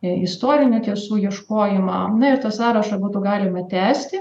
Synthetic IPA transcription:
ɪst̪oːɾʲɪnʲɛt̪ʲiɛsuːjiɛʃkoːjɪmɑnɐɪɾt̪ɑsɑːɾɐʃɐbuːt̪ʊːɡɑːlʲɪmɐt̪ʲæːsʲt̪ʲɪ

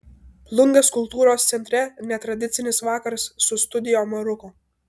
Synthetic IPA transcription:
plˠʊŋɡɐskʊlˠt̪uːɾoːst̪sʲɛnʲt̪ʲɾʲɛnʲɛt̪ɾɐd̪ʲɪt̪sʲɪnʲɪsʋɑːkɐɾsːʊst̪ʊd̪ʲɪjoːmɐɾʊkʊ

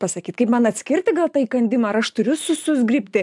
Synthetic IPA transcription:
pɐsɐkʲiːt̪kɐɪpmɐnɐt̪ʲsʲkʲɪrʲt̪ʲɪɡɐlˠt̪ɑːikɐnʲd̪ʲɪmɐɐɾɐʃt̪ʊɾʲʊsʊsʊzʲɡʲrʲipʲt̪ʲɪ

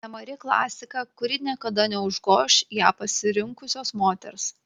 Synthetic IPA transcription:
nʲɛmɐɾʲɪklˠɑ̰ːsʲɪkɑkʊɾʲɪnʲiɛkɐd̪ɐnʲɛʊʒɡoːʃjæːpɐsʲɪɾʲɪŋkʊsʲoːsmoːt̪ʲɛ̰ɾs

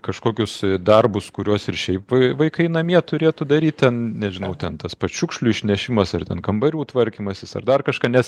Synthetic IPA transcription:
kɐʃkoːkʲʊsd̪ɐrbʊskʊɾʲuɔsɪrʃʲɛɪpʋʋɐɪkɐɪnɐmʲiɛt̪ʊɾʲeːt̪ʊd̪ɐɾʲiːt̪̚ʲt̪ʲɛnnʲɛʒʲɪnɐʊt̪ʲɛnt̪ɐspɐt͡ʃʲʊkʃʲlʲʊɪʃʲnʲɛʃʲɪmɐsɐrt̪ʲɛnkɐmbɐɾʲuːt̪ʋɐrʲkʲiːmɐsʲɪsɐ̰rd̪ɐrkɐʃkɑːnʲɛs

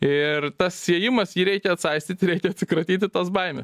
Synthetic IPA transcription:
ɪrt̪ɐssʲiɛjɪmɐsjiːɾʲɛɪkʲɛɐt̪sɐɪsʲt̪ʲiːt̪ɪɾʲɛɪkʲɛɐt̪ʲsʲɪkɾɐt̪ʲiːt̪ʲɪt̪ɐsbɐɪmʲɛs

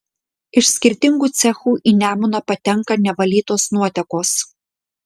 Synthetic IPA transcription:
ɪʃʲsʲkʲɪɾʲt̪ʲɪŋɡuːt̪sʲɛxuːʔiːnʲæːmʊnɐpɐt̪ʲɛŋkɐnʲɛʋɐlʲiːt̪oːsnuɔt̪ʲɛkoːs

